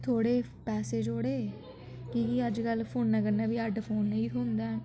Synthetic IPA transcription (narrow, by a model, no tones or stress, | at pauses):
t̪ʰoːɽeː | pɛːseːd͡ʒoːɽeː | kikiəd͡ʒkəlːpʰoːnːãːkənaːʋiːəɖpʰoːnːiːɦʊ̃nd̪aː